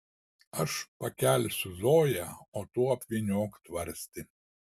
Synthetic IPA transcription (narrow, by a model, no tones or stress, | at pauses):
ɐʃpɐkʲæˑlʲsʲʊzoːjɛoːt̪uːɐpʲʋʲinʲoːkt̪ʋɐɾʲsʲt̪ʲɪ